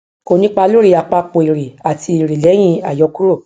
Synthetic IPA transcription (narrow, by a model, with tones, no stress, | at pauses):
ko˧˨nĩ˨˦k͡pa˧lo˦ɾi˨˧a˨k͡pa˧k͡po˨i˨ɾe˨a˨ti˧i˨ɾe˨lɛ˨˦j̃ĩ˧˦a˨jɔ˨˧ku˦ɾo˦˨